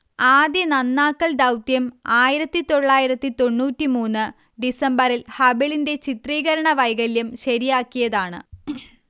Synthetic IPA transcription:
aːd̪jɐnɐnːaːkːɐɭd̪ɐwt̪jɐmaːjiɾɐt̪ːit̪o̞ɭːaːjiɾɐt̪ːit̪o̞ɳːuːtːimuːnːɨ | ɖisɐmbɐɾilhɐbiɭinde̞t͡ɕit̪riːɣɐɾɐɳɐʋɐjɣɐljɐmɕɐɾijaːkːijɐðaːɳɨ̰

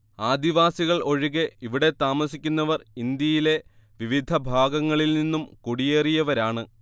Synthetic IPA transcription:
aːd̪iʋaːsiɣɐɭo̞ɻiɣeiʋiɽe̞t̪aːmɐsikʲːunːɐʋɐrind̪jɐjile̞ | ʋiʋid̪ʱɐbʱaːɡɐŋːɐɭilninːumkuɽijeːrijɐʋɐɾaːɳɨ

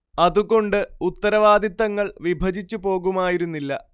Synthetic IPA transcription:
ɐðuɣo̞ɳɖɨut̪ːɐɾɐʋaːd̪ʱɐt̪ːɐŋːɐɭʋibʱɐd͡ʑit͡ɕːupo̞ːɣumaːjiɾunːilːɐ̰

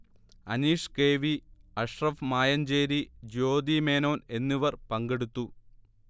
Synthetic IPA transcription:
ɐniːʂkeːʋiɐʂrɐfmaːjɐnd͡ʑeːɾid͡ʑo̞ːd̪imeːno̞ːne̞nːiʋɐrpɐŋɡe̞ɽut̪ːu

